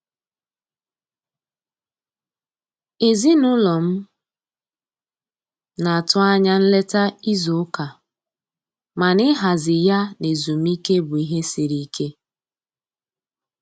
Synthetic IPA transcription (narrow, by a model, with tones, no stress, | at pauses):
e˨zi˦nʊ˦lɔ˨m̩˦ | na˨a˨tʊ˦a˦ɲa˦n̩˦le˦ta˦i˦zʊ˨ʊ˦ka˨ | ma˨nɪ˦ɦa˨zɪ˨ja˦ne˨zu˨m̩˦i˦ke˦bʊ˨i˨ɦe˦si˨ɾi˨˦kʰe˦